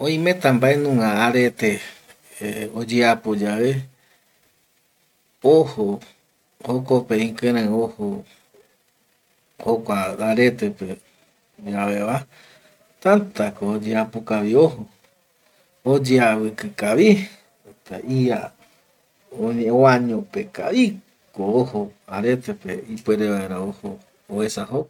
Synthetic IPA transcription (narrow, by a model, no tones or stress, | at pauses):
õĩmẽt̪ambaenũŋãaɾet̪e | od͡ʒeapod͡ʒaʋe | oho | hokopẽĩkɨ̃ɾ̃ãoho | hokʷaaɾe̞t̪e̞pe | d͡ʒaʋeʋa | t̪ant̪akoːd͡ʒeapokaʋioɦo | od͡ʒeawɨkɨkaβi | t̪a̰ʔija | õɲẽwãɲõpeka̰i | koohoaɾet̪epeipweɾeβaeɾaohoː | esaho